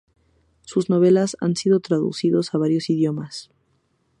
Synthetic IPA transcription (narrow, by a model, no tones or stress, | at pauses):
suzno̞β̞e̞lasa̰nsiðo̞t̪ɾaðṵsiðosaβ̞aɾjosiðjo̞mas